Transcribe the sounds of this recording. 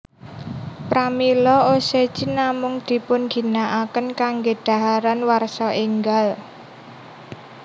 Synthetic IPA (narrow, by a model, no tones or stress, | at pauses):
pɾamilɔose̥ʒ̥inamʊŋd̪̥i̤pʊnɡ̥i̤naʔakənkaŋɡed̪̥ä̤ɦaɾanwarsɔʔiŋɡal